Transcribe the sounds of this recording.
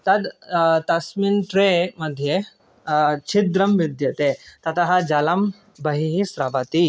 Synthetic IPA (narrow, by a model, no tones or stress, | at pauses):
t̪ɐd̪t̪ɐsminʈɾeməd̪ʱːje | t͡ʃʰid̪ɾɐmʋid̪jɐt̪et̪ɐt̪aɦad͡ʒalam | bɐɦiɦisɾabat̪i